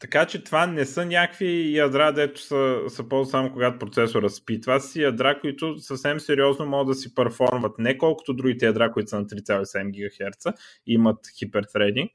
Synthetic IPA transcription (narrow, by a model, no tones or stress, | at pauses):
t̪ɐkat͡ʃɛt̪vanɛsənʲakvijɐd̪ɾad̪ɛt̪ʊ̥səsɐpɔzsamʊkoɡat̪ʊpɾot̪sɛsʊɾəspit̪vasijɐd̪ɾakʊit̪ʊsɐfsɛmsɛɾiɔznomɔɡəd̪ɐsipɐɾfɔɾmvɐt̪nɛkɔlˠkʊ̥t̪ʊd̪ɾuɡit̪ɛjɐd̪ɾakʊit̪ʊ̥sənɐt̪ɾit̪sʲalˠisɛd̪ɛmɡ̟ʲiɡɐxɛɾt̪sə | imɐt̪xipɛɾt̪ɾɛd̪iŋk